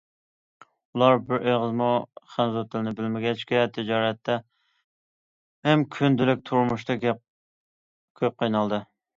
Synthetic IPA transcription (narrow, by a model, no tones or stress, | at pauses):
ulˠɑɾbɪɾʔeʁəzmuχænzut̪ʰːɪlɪnɪbɪlmɪɡʲɛt͡ʃkʲɛt̪ʰɪd͡ʒɑːɾɛt̪ʰːɛ | hɛmkʲʰynd̪ɪlɪk̚ʲt̪ʰuɾmuʃt̪ɨɡʲ | kʲʰøp̚qʰəjnɑlˠd̪ɨ